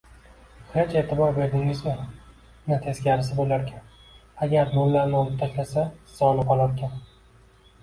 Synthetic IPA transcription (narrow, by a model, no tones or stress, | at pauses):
χet͡ʃet̪ʰɪbɒɾbe̞ɾd̪ɪŋɪzmɪ | nɪt̪ʰe̞sɡʲaɾɪs̬ɪbolaɾkʲʰan | aɡʲaɾd̪olˠːaɾnɪɒlɪp̚t̪ʰaʃlasasɒlˠɪqɒlˠaɾkʲʰan